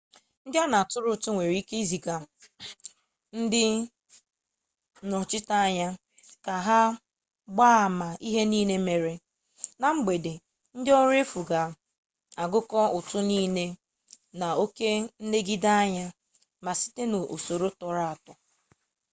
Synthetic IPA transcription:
n̩˦dɪ˦a˦na˨tʊ˦ɾʊ˨tʊ˦ŋʷe˨ɾi˦ke˦i˦zi˨ɡa˨ | n̩˦dɪ˦ | nɔ˨t͡ʃɪ˦ta˦a˦ɲa˦ | ka˨ɦa˦ | ɡ͡ba˦a˨ma˨i˦ɦe˦niː˦ne˦me˨ɾe˨ | na˨ŋ͡m̩˦ɡ͡be˨de˨ | n̩˦dɪ˦ɔ˦ɾe˦fu˨ɡa˨ | a˨ɡʊ˦kɔ˦ʊ˨tʊ˦niː˦ne˦ | na˨o˦ke˦n̩˦ne˦ɡi˦da˦a˦ɲa˦ | ma˨si̥˦te˦no˨o̰˨so˨ɾo˦tɔ˨ɾa˦˨a˨tɔ˨

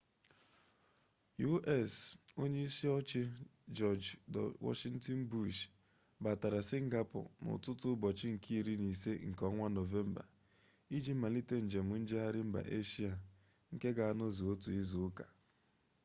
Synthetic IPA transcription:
ju˦ʔɛ˦˨so˦ɲe˦i˦si˦ɔ˦t͡ʃɪ˦d͡ʒɔ˦˨d͡ʒdɔ̰˨wɔ̰˦ʃi˦ŋ̩˦tɔ˦n̩˦bu˦ʃ | ba˨ta˨ɾa˨si˦ŋ̩˦ɡa˦pɔ̰˨nʊ̰˨tʊ˦tʊ˦bɔ˨t͡ʃɪ˦ŋ̩˨kʰi˦i˦ɾi˦ni˨se˦ŋ̩˨kɔ˦ŋʷa˦no˨ve˦m̩˦ba̰˨ | i˦d͡ʒi˦ma˨li˦te˦n̩˨d͡ʒe˨mʊ˨n̩˦d͡ʒe˦ɦa˦ɾɪ˦m̩˦ba̰˨ʔe˦ʃi˦a˨ | ŋ̩˦ke˦ɡa˨a˦no˦zi˨o˦tu˨i˦zu˨˦ka˨

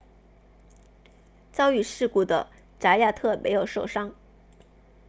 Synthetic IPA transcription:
t͡sɑ˥ʊy˥˩ʂɻ̩˥˧ku˥˩d̪ə̰˩ | ʈ͡ʂa˧˥ja˥˧t̪ʰɤ˥˩mʔḛ˧˥ɪjo˨˩ʊʂo˥˩ʊʂɑ˥ŋ

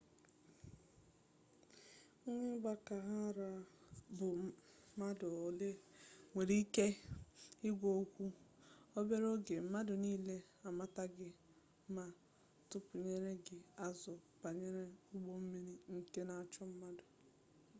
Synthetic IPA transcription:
ɲʷe˦ɡ͡ba˦ka˨ɦa˦ɾa˨bʊ˨˦ma˦dʊ˨le˦ŋʷe˨ɾi˦ke˦ | ɪ˦ɡʷo˨˦kʷu˦o˦be˦ɾo˦ɡe˨m̩˦ma˦dʊ˨niː˦le˦ | a˨ma˦ta˦ɡɪ˦ | ma˨ | tʊ˦pʊ˨ɲe˦ɾe˦ɡɪ˨a˦zʊ˨pa˨ɲe˦ɾe˦ʊ˦ɡ͡bo˦m̩˦mi˦ɾi˦ŋ̩˦ke˦na˨a˨t͡ʃɔ˦m̩˦ma˦dʊ˨

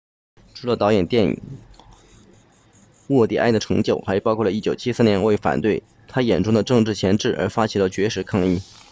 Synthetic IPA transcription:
ʈ͡ʂʰu˧˥lə˧t̪ɑ˧˥ʊjɛ˨˩nt̪jɛ˥˩nḭ˨˩ | wɔ˥˩t̪jɛ̰˨˩ʔa˥˩ɪd̪ə˩ʈ͡ʂʰɤ˧˥ŋt͡ɕjo˥˩ʊxa˧˥ɪpɑ˥ʊkʰwɔ˥˩lə˧i˥˩t͡ɕjo˨˩ʊt͡ɕʰi˥sɹ̩˥˩njɛ˧˥n˥we˥˩ɪfa̰˨˩nt̪we˥˩ɪ | t̪ʰa˥jɛ˨˩nʈ͡ʂʊ˥ŋd̪ə˨ʈ͡ʂɤ˥˧ŋʈ͡ʂɻ̩˥˩t͡ɕʰjɛ˧˥nʈ͡ʂɻ̩˥˩ʔə̰˞˧˥fa˥t͡ɕʰi˨˥lə˧˩t͡ɕɥɛ˧˥ʂɻ̩˧˥kʰɑ˥˧ŋi˥˩

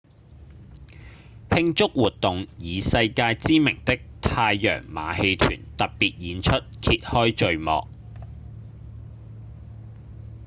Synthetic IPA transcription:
hɪ˥ŋt͡sʊ˥k̚wuː˨t̚t̪ʊ˨ŋjiː˨sɐ˧jkaː˧jt͡siː˥mɪ̰˨˩ŋt̪ɪ˥k̚t̪ʰaː˧jːœ̰ː˨˩ŋma̰ː˨˧he˧jt̪ʰy̰ː˨˩nt̪ɐ˨p̚piː˨t̚jiː˨˧nt͡ʃʰɵ˥t̚kʰiː˧t̚hɔː˥jt͡ʃɵ˧ɥmɔ̰ː˨k̚

